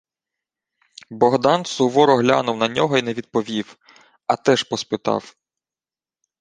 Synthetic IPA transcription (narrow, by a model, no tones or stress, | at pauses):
bɔɦd̪ɑnsʊʋɔɾɔɦlʲa̰nʊwnɐnʲɔɦɔinɛʋʲid̪̚pɔʋʲiw | ɐt̪ɛʒpɔspɪt̪ɑ̰w